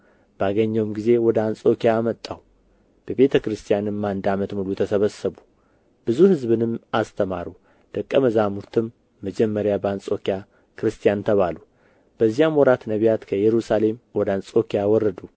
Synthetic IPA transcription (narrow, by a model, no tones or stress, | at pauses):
b̥əaɡəɲːəwmɡize̞wɔd̪əansʼo̞kijaːmət̪ʼːaw | b̥əβe̞t̪ʰəkɾɨst̪ʰijanɨmːand̪amət̪mulut̪ʰəsəβəsəβu | b̥ɨzuhɨzβɨnɨmast̪ʰəmaɾu | d̪̥əkʼːəməzamuɾt̪ʰɨmː | əd͡ʒɛmːəɾjabəansʼo̞kija | kʰɨɾɨst̪ʰijant̪ʰəβalu | b̥əzːijamɔɾat̪nəβijat̪kʰəjɛɾusale̞mwɔd̪əansʼo̞kijawɔrːəd̪u